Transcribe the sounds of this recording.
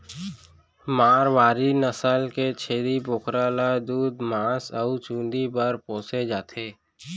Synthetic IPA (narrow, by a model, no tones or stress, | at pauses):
maːɾʋaːɾinəsəlket͡ʃʰeːɾiboːkɾaːlad̪uːd̪maːsəʊt͡ʃũːnd̪ibəɾpõːsed͡ʒaːt̪ʰeː